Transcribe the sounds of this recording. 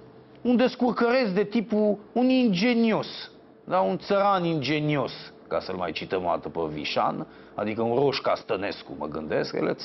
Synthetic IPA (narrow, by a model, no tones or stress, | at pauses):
und̪e̞skurkəɾe̞sd̪e̞t̪ipuunind͡ʒe̞nio̞s | d̪aunt̪səɾanind͡ʒe̞nio̞s | ka̰səlmajt͡ʃit̪əma̰t̪əpəvḭʃa̰n | ad̪ikəunro̞ʃkast̪əne̞skumə̰ɡɨ̰nd̪e̞skjḛlḛ